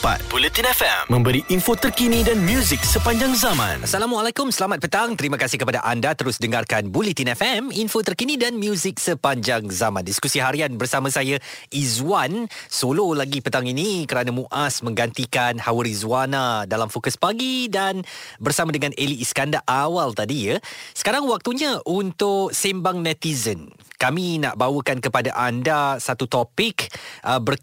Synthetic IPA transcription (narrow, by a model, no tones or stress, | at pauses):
pa̰t̪̚bulit̪inɛfɛ̰mmə̃mbəɾiʔinfot̪ərkinidanmjuzik̚səpaɲd͡ʒaŋzamã̰nasalamualakʊmsəlamat̪̚pət̪aŋt̪əɾiməkasɪhkəpada̰ʔandat̪əɾʊsdəŋarkanbulit̪inɛfɛminfot̪ərkinidanmjuzɪk̚səpaɲd͡ʒaŋzamãndiskusiɦaɾianbərsamãsajaizwansololaɡipət̪aŋinikəɾanamũʔasmə̃ŋɡant̪ikanhawəɾizwanadalamfokəspaɡidanbərsamãdəŋãnʔeliːskandaʔawalt̪adijəsə̥kaɾaŋwak̚t̪uɲãʔunt̪ʊʔsɛmbaŋnɛ̃t̪izənkamina̰ʔbawəkankəpadaʔandasat̪ut̪ɔpɪkʔəbər